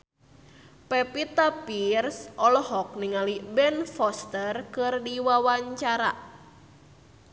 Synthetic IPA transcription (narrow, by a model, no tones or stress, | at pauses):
pɛpit̪apirsʔɔlhɔk̚niŋalibɛnfɔst̪ərkɨrdiwawaɲt͡ʃaɾa̰